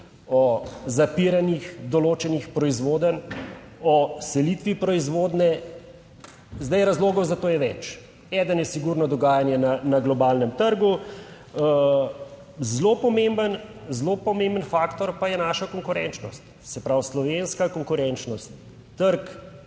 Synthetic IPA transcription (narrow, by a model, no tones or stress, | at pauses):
ɔzapiɾanixd̪ɔloːt͡ʃɛnixpɾɔizʋoːd̪ən | ɔsɛlit̪ʋipɾɔizʋoːd̪nɛ | zd̪ajɾazloːɡɔwzat̪oːjɛʋɛt͡ʃ | ɛːd̪ənjɛsiɡuɾnɔd̪ɔɡaːjanjɛnanaɡlɔbalnəmt̪əɾɡu | zlopɔmembənzlopɔmembənfaːkt̪ɔɾpajɛnaʃakɔŋkuɾɛnt͡ʃnɔst̪ | sɛpɾawslɔʋenskakɔŋkuɾɛnt͡ʃnɔst̪ː | əɾk